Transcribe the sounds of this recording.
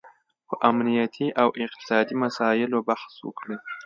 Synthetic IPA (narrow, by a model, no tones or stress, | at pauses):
xʊʔamnijat̪ʰiʔawʔɪq̚t̪ʰi̥sɑːd̪imasaːjɪlobaxswṵkʰle